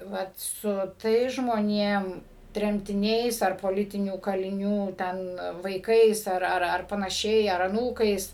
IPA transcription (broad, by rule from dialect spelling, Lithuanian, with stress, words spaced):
ˈʋɐt sʊ ˈtɐɪs ʒmoːnʲiɛm tʲrʲɛmʲtʲɪˈnʲɛɪs ɐr poːˈlʲɪtʲɪnʲuː kɐlʲɪˈnʲuː ˈtʲɛn ʋɐɪˈkɐɪs ˈɐr ˈɐr ˈɐr pɐnɐˈʃʲɛɪ ɐr ɐˈnuːkɐɪs